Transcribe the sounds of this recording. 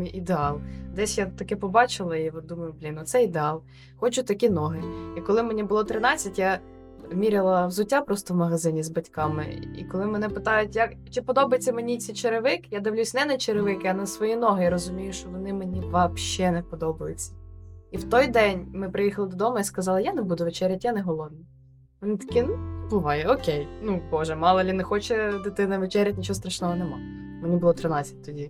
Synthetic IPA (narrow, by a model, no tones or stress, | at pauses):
iʔid̪eɑlˠd̪ɛsʲjat̪ɐkɪpɔbɑt͡ʃɪlˠɐiʋɔd̪umɐjʊblʲinɔt̪sɛid̪ɪɑlˠ | xɔt͡ʃʊt̪ɐkʲinɔɦɪikɔlˠɪmenʲibʊlˠɔt̪ɾɪnɑt͡sʲːɐtʲja | mʲiɾʲɪlˠɐwzʊtʲːapɾɔst̪ɔwmɐɦɐzɪnʲizbɐtʲkɑmɪ̰ḭkɔlˠɪmenɛpɪt̪ɑjʊtʲjɐkt͡ʃɪpɔd̪ɔbɐjet͡sʲːɐmenʲit͡sʲit͡ʃeɾɪʋɪkjad̪ɪwlʲusʲnɛnɐt͡ʃeɾɪʋɪkɪɐnɐsʋɔjinɔɦɪjaɾɔzʊmʲijʊʃt͡ʃɔʋɔnɪmenʲiʋɐpʃɛnɛpɔd̪ɔbɐjʊt͡sʲːɐ̥iwt̪ɔjd̪ɛnʲmɪpɾɪjixɐlˠɪd̪ɔd̪ɔmɐiskɐzɑlˠɐjanebud̪ʊʋet͡ʃɛɾʲjɐtʲjanɛɦɔlˠɔwnʲi | ʋɔnit̪ɐ̥kʲinubʊʋɑjɛɔkʲejnubɔʒɛmɑlˠɐlʲinɛxɔt͡ʃɛd̪ɪt̪ɪnɐʋet͡ʃɛɾʲjɐtʲnʲit͡ʃɔɦɔst̪ɾɐʃnɔɦɔnɛmɑ̰ | menʲibʊlˠɔt̪ɾɪnɑt͡sʲːɐ̥t̚ʲt̪ɔdʲi